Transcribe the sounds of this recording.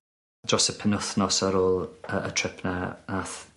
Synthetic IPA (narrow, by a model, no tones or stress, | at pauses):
d͡ʒɔsəpʰɛnʊθnɔsəɾoːlˠəətʰrɪpʰnaaθ